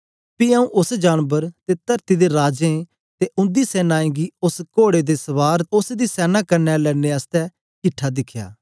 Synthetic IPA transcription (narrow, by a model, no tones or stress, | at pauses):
piːəũːʔʊsd͡ʒaːnbəɾt̪et̪əɾt̪id̪eɾaːd͡ʒẽ | t̪eʔʊ̃nd̪iːsɛːnaːẽːɡiːʊskoːɽeːd̪eːsəʋaːɾʊsd̪iːsɛːnaːkɐɾnɛːlɛːneːəst̪ɛː | kɪʈʰːaːd̪ɪkʰja̰ː